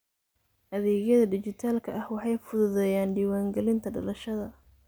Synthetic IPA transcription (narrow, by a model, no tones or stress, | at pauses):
ʔɐðɛːɣjɐðɐɖɪt͡ʃɪt̪ʰaːlkʰɐʔɐhwɑħɑjfʊðʊðɛjaːnɖiːwaːŋɡɛlɪnt̪ʰɐɖɐ̰lɐʃɐðɐ